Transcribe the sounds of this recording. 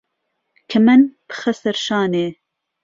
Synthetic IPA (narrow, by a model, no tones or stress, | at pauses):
kʰɨmɨnb̥ɨ̥xɐsɐɾʃɑːneː